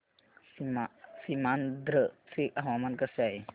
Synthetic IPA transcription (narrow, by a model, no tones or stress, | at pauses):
smasimand̪ɾət͡sʰikaɦwamankəsaj